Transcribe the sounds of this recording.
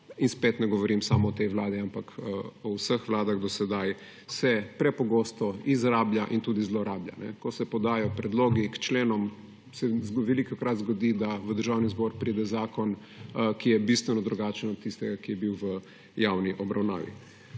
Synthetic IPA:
inspet̪nɛɡɔʋɔɾimsaːmɔːt̪ɛjʋwlaːd̪iampakɔwsəxʋlaːd̪aɣd̪ɔsɛd̪aj | sɛpɾɛpɔɡost̪ɔizɾaːbljaʔint̪uːd̪izloɾaːblja̰nɛ̰kɔsɛpɔd̪aːjɔpɾɛd̪loːɡikt͡ʃleːnɔm | sɛʋɛlikakɾat̪zɡɔd̪id̪aʋəd̪əɾʒaːwnizbɔɾpɾiːd̪ɛzaːkɔn | kijɛbist̪ʋɛnɔd̪ɾuɡat͡ʃənɔt̪̚t̪ːist̪ɛɡakijɛbiwʋə | jawniʔɔbɾawna̰ːʋḭ

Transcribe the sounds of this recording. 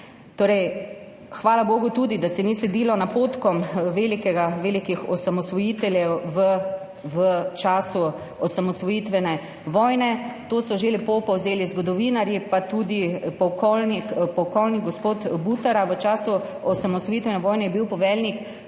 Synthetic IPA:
t̪oːɾɛj | xʋaːlaboːɡut̪ud̪id̪asɛnislɛd̪ilɔnapoːt̪kɔmʋeːlikɛɡaʋelikixɔsamɔsʋɔjiːt̪ɛljɛwʋə | ʋət͡ʃaːsu | ɔsamɔsʋɔjit̪ʋɛnɛ | ʋɔjnɛt̪oːsɔʒelipopɔwzeːlizɡɔd̪ɔʋinaɾjipat̪ud̪ipɔkɔlnikpɔwkɔlniɡɡɔspoːt̪but̪aɾaʋət͡ʃaːsuɔsamɔsʋɔjit̪ʋɛnɛʋɔːjnɛjɛbiwpɔʋɛlnik

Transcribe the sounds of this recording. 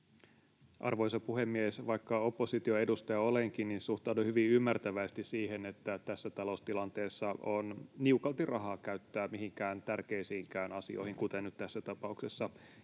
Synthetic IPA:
ʔɑ̰rʋoisɑpuhemːiesʋɑikːɑo̞pːosit̪io̞edust̪ɑjɑoleŋkinninsuht̪ɑuduhyʋiymːært̪æʋæist̪issiːhenet̪ːæt̪æsːæt̪ɑlost̪ilɑnt̪eːsːɑʔonniukɑlt̪irʔɑɦɑːkæyt̪ːæːmihiŋkæːnt̪ærkeisiːŋkæːnɑsḭo̰ihiŋkut̪enːyt̪t̪æsːæt̪ɑpɑuksesːɑ

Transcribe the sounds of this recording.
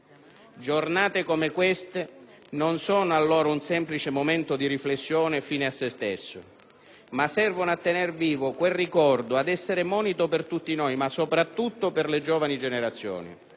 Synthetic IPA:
d͡ʒornaːt̪ekomekwest̪e | nonsɔːnoalːoːɾaunsɛmplit͡ʃemoment̪ʊd̪iɾiflesːjɔːnɪfiːneasːest̪esːo̰ | masɛrvonoat̪ːenerviːvokwelrikɔrd̪oad̪ɛsːeɾemɔːnit̪ʊpert̪ut̪ːinojmasːopɾat̪ːut̪ːopɪrled͡ʒɔːvanid͡ʒeneɾat̪sːjɔ̰ːnḭ

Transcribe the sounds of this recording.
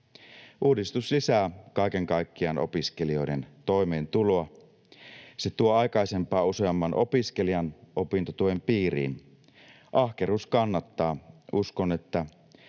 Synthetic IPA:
ʔuːdist̪uslisæːkɑike̞ŋkɑikːiɑnʔo̞̰piske̞lio̞jde̞nt̪o̞ijmeːnt̪uloɑ | set̪uoɑjkɑise̞mpɑːuseɑmːɑnʔo̞piskeliɑnʔopint̪ot̪uempiːɾḭːn | ʔɑhke̞ruːskɑnːɑt̪ːɑːuskone̞t̪ːæ

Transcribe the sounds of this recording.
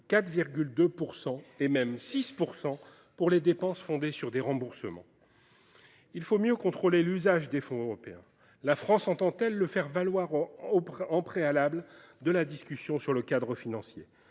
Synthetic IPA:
kat̪viʁɡʲyld̪øpuʁsɑ̃emɛmsispuʁsɑ̃ | puʁled̪epɑ̃sfɔ̃d̪esyʁd̪eʁɑ̃buʁsəmɑ̰̃ | ilfomjøkɔ̃t̪χolelyzaʒd̪efɔ̃øʁɔpeɛ̃ | lafχɑ̃sɑ̃t̪ɑ̃t̪ɛlːəfɛʁvalwaʁoɑ̃pχealabld̪əlad̪iskʲysjɔ̃syʁləkad̪ʁəfinɑ̃sjḛ

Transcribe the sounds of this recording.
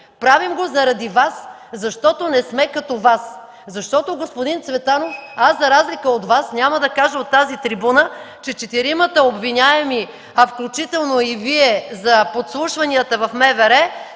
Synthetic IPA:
pɾavimɡozɐɾɐd̪ivas | zɐʃt̪ɔt̪onɛsmɛkɐt̪ɔvas | zɐʃt̪ɔt̪oɡospod̪int̪svɛt̪anofaszɐɾazlikəod̪vasnʲaməd̪ɐkaʒəot̪ːazit̪ɾibunə | t͡ʃɛt͡ʃɛt̪iɾimət̪əobvinʲaɛmi | ɐfklʲut͡ʃit̪ɛlˠnoiviɛzɐpot̪slˠuʃvɐniət̪əvɐfmɛvɛɾɛ

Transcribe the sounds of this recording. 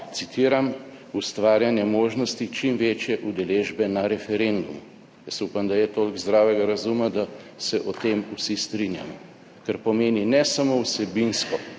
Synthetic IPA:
t̪sit̪iːɾamust̪ʋaːɾjanjɛmoːʒnɔst̪it͡ʃimʋeːt͡ʃjɛʔud̪ɛleːʒbɛnaɾɛfɛɾend̪umu | jasupamd̪ajɛt̪olɡzd̪ɾaːwɛɡaɾazumad̪a | sɛʔɔt̪emusist̪ɾinja̰mɔ | kaɾpɔmeːninɛsamowsɛbinskɔ

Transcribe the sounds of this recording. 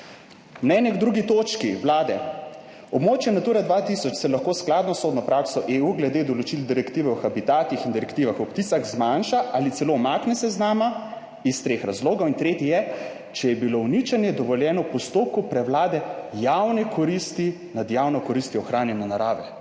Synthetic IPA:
mnɛnjɛɡd̪ɾuɡit̪oːt͡ʃkiwlaːd̪ɛ | ɔbmoːt͡ʃjɛnat̪uːɾad̪ʋat̪isɔt͡ʃsɛlaxkoːsklad̪nɔsoːd̪nɔpɾaksɔʔeuɡlɛd̪ed̪ɔlɔt͡ʃild̪iɾɛkt̪iːʋɛɔxabit̪aːt̪ixind̪iɾɛkt̪iːʋaxɔpt̪isaɣzmanʃaʔalit̪sɛlomaknɛsɛznaːma | ist̪ɾeːxɾazloːɡɔwint̪ɾeːt̪ijɛ | t͡ʃɛjɛbilonit͡ʃanjɛd̪ɔʋɔljɛːnɔwpɔst̪oːp̚kupɾɛwlaːd̪ɛjawnɛkʰɔɾist̪i | nad̪jawnɔkɔɾist̪iɔxɾaːnjɛnɛnaɾaːʋɛ

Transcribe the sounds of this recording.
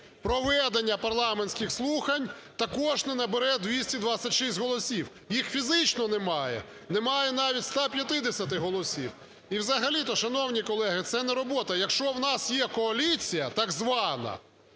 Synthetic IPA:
pɾɔʋɛd̪enʲːɐpɐrlˠɑmenʲsʲkʲɪxslˠuxɐnʲt̪ɐkɔʒnɛnɐbeɾɛd̪ʲʋʲisʲtʲid̪ʋat͡sʲɐtʲʃisʲtʲɦɔlˠɔsʲiw | jixfʲizɪt͡ʃnɔnɛmɑjɛ̰ | nɛmɑjɛn̪ɑʋʲitʲst̪ɑpʲjɐt̪ɪd̪esʲɐt̪ɪɦɔlˠɔsʲḭw | iwzɐɦɐlʲit̪ɔʃɐnɔwnʲikɔlˠɛɦɪt̪sɛnɛɾɔbɔt̪ɐjɐkʃt͡ʃɔwnɑsjɛkɔɐlʲit͡sʲijɐt̪ɐɡzʋɑnɐ̰

